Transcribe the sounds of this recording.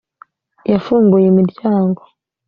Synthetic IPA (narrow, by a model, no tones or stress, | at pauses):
jafuːŋɡujɛmudd͡ʒaːŋɡɔ